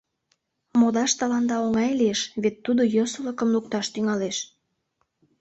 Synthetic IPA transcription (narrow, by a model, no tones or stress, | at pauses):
mod̪ɑʃt̪ɑlɑnd̪ɑoŋɑjlieʃβet̪ːud̪ojosələkəmluk̚t̪ɑʃt̪yŋɑleʃ